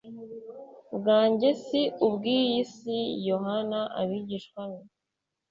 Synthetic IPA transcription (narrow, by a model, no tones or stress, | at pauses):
bɡaːɲɟe̞siubɡiːjisijo̞ɦanaʔa̰βiɟiʃkwamo